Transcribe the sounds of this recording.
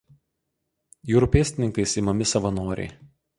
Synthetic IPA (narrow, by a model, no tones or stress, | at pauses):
juːɾʊpʲeːsʲt̪ʲɪnʲɪŋkɐɪsɪmɐmʲɪsɐʋɐnoːɾʲɛ̰ɪ